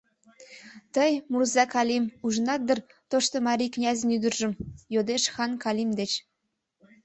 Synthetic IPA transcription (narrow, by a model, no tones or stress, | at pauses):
t̪ə̆jmurzɑkɑlʲimuʒnɑt̪̚d̪ə̆r | t̪oʃt̪ɤ̆mɑɾʲiknʲæzə̆nyd̪ə̆rʒə̆mjod̪eʃxɑnkɑlʲimd̪et͡ɕ